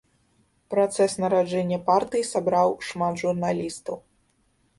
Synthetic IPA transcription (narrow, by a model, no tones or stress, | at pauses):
pɾat̪sɛsnɐɾad͡ʐɛnʲːɐpart̪ɨjisabɾawʂmat̪ʐurnalʲist̪ɐw